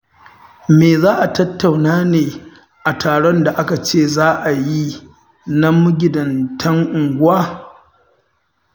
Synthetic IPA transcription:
meː˨zaː˦ʔa˨tɐ˦tːa˨wnaː˦neː˨ | ʔa˨tʰaː˨ɽɔ˦nda˨ʔa˦ka˨t͡ʃeː˦˨zaː˦ʔa˨ji˦ | nɐ˦mʊ˦ɡʲɪ˨dɐ˨ntʰɐ˦ŋʔʊ˨ŋɡʷʊ˦waː˦

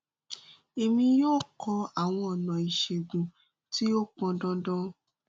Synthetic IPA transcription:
e˨mĩ˧joː˦˨kʰɔ˧a˨w̃ɔ̃˧ɔ˨nã˨i˨ʃe˨ɡũ˨ | ti˦o˦k͡pɔ̃˧dɔ̃˦dɔ̃˦

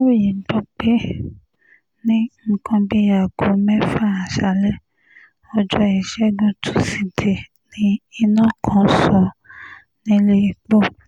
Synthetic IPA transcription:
wo˦˨ji˨ɡ͡bɔ˧k͡pe˦ | nĩ˦ŋ̩˦˨kʰɔ̃˧bi˦ja˨ɡo˨˦mɛ̃˦fa˦˨a˨ʃa˨˦lɛ˦ | ɔ˧d͡ʒɔ˧ɛ˨ʃɛ˦ɡũ˦tʰu̥˦si˨de˨ | nĩ˦i˧nɔ̃˦˨kʰɔ̃˨˦sɔ˧ | nĩ˦le˦i˨k͡po˦˨

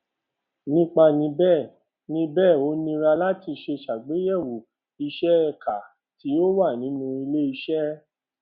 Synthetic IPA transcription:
nĩ˦k͡pa˧nĩ˧bɛː˦˨ | nĩ˧bɛː˦˨o˨˦nĩ˧ɾa˧la˦ti˧ʃe˧ʃa˨ɡ͡be˨˦jɛ˦˨wu˨ | i˧ʃɛ˦ɛ˧ka˨ | ti˨˦o˦wa˦˨nĩ˨˦nũ˧i˧le˦i˧ʃɛ˦

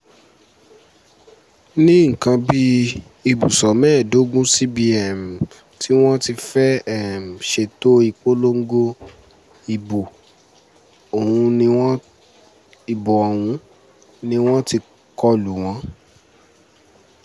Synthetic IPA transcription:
nĩ˦ŋ̩˨kã˧bi˦ | i˧bu˨sɔ˨mɛ̃ː˦˨do˨˦ɡũ˦si˦bi˧ɛ˨m˨ | tʰi˦w̃ɔ̃˦ti˧fɛ˦ɛ˦˨m˨ʃe˧to˦i˧k͡po˦lo˦ŋ̩˦ɡo˦ | i˨bu˨ | o˨hũ˧nĩ˧w̃ɔ̃˦ | i˨bɔ˨ɔ˨w̃ũ˧˦ | nĩ˧˦w̃ɔ̃˦ti˧ | kɔ˧lu˨w̃ɔ̃˨˦

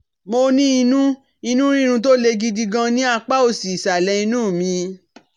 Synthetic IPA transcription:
mo˧nĩ˦i˧nũ˦ | i˧nũ˦ɾ̃ĩ˦ɾ̃ũ˧t̬o˦le˧ɡi˧di˧ɡã˧nĩ˦a˧k͡pa˦o˦˨si˨sa˨lɛ˧i˧nũː˦˨mĩ˧

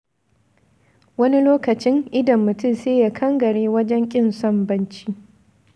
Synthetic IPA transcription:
wɐ˦ni˦loː˦kɐ˨t͡ʃɪ˦ŋʔɪ˦dɐ˨mːʊ˨tʊ˦˨mseː˦ja˦kʰɐ˦ŋɡɐ˨ɽeː˦wɐ˦d͡ʒɛ˦ŋkʲʼɪ˦nsɔ˦˨mbɐ˦nt͡ʃiː˦

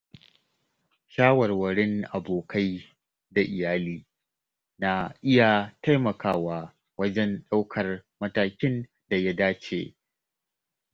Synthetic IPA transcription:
ʃaː˦wɐ˨rwɐ˨ɽɪ˦ŋʔa˨boː˨kʰa˦j | da˨ʔɪ˨jaː˦liː˦ | na˨ʔɪ˦ja˨ta˦jmɐ˨kaː˦waː˦ | wɐ˦d͡ʒɛ˦nɗa˦wkʰɐ˨rmɐ˦taː˦kʲɪ˦n | da˨ja˦daː˦t͡ʃḛː˨

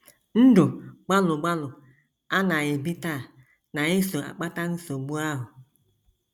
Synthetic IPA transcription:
n̩˦do˨ɡ͡ba˦lʊ˨ɡ͡ba˦lʊ˨ | a˦nã˨jɪ˨bi˦ta˦˨ | nã˨jɪ˦so˨a̰˨k͡pa˦ta˦n̩˦so˨bu˦a˦ɦʊ˨

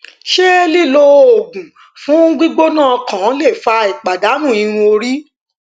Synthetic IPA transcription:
ʃe˦li˦˨lo˧o˨ɡũ˨ | fũ˨˦ɡ͡bi˦ɡ͡bo˦nãː˦˨˧kã˨˦le˦˨fa˧i˨k͡pa˨da˨˦nũ˦˨i˧ɾ̃ũ˧o˧ɾi˦

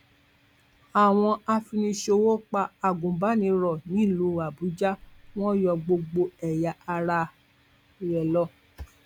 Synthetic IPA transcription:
a˨w̃ɔ̃˧a˧fi˧nĩ˧ʃo˧wo˦k͡pa˧a˨ɡũ˨ba˨˦nĩ˧ɾɔ˨nĩ˨˦˨lu˨˧˦a˨bu˨˦d͡ʒa˦w̃ɔ̃˦jɔ˧ɡ͡bo˧ɡ͡bo˧ɛ˨ja˨ʔa˧ɾa˧ | ɾɛ˨lɔ˦˨

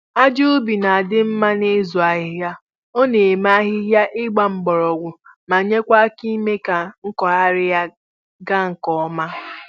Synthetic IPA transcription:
a˦d͡ʒu˦bi˨na˨a˨dɪ˦m̩˦ma˦ne˦zu˨a˨ɦɪ˨ɦja˦ | o˦ne˨m˦a˦ɦɪ˦ɦja˦ʔɪ˦ɡ͡ba˦m̩˨ɡ͡bɔ˨ɾɔ˨ɡʷʊ˨ | ma˨ɲe˦kʷa˦ki˦me˦ka˨ŋ̩˦kɔ˨a˦ɾɪ˦ja˦ | ɡa˦ŋ̩˨kɔ˦ma˦

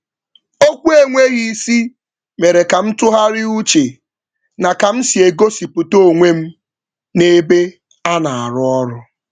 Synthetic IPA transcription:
o˦kʷu˦e˦˨ŋʷe˦ɣi˦si˦ | me˨ɾe˨ka˨m̩˦tʊ˦ɦa˦ɾɪ˦u˦t͡ʃe˨ | na˨ka˨m̩˦si˨e˨ɡo˦si˨pʊ˨to˦˨ŋʷe˦m̩˦ | ne˦be˦ | a˦na˨a˨ɾʊ˦ɔ˦ɾʊ˨

